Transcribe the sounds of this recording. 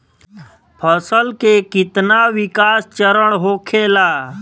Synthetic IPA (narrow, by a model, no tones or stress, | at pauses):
pʰəsəlkekɪt̪naʋɪkaːst͡ʃəɾəɽ̃ɦoːkʰeːlaː